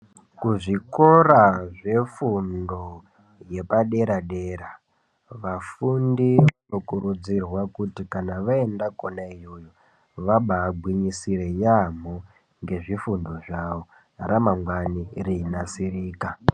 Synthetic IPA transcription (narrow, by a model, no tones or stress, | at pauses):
kuʐiko̞raʐe̞fundo | je̞paɗe̞ɾaɗe̞ɾa | ʋafundiʋano̞kurud͡zirwakutikanaʋaendakonaijojo | ʋaɓaːɡʱwiɲisire̞jam̤o | ŋɡe̞ʐifundo̞ʐaʋo̞ | ramaŋɡwanirinasiriːka